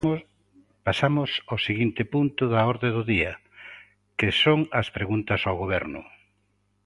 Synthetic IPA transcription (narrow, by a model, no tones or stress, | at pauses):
pasamʊsoseɣint̪ɪpunt̪ʊðɐɔɾðeðʊðiɐ | kɪsoŋɐspɾeɣunt̪ɐsawɣoβɛɾnʊ̰